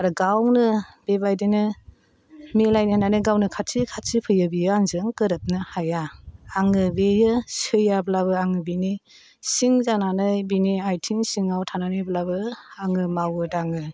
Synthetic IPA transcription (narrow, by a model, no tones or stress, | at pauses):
aɾuɡawnɯb̥ebajdenɯ | milajnihnanɯɡawnɯkʰatsʰikʰatsipʰɯjɯbijɯaŋzɯŋkɯɾɯp̚nɯhajaːŋɯbejɯsɯjablaβɯaŋɯbini | siŋzananɯjbiniajtʰiŋsiŋawtʰananiblabɯaŋɯmawɯdaŋɯ